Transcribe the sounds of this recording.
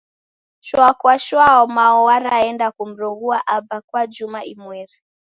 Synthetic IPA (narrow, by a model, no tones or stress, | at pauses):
ʃwakwaʃwaɔmaɔwaɾaɛndakum̩ɾɔɣuaʔabakwad͡ʒumaʔimwɛɾi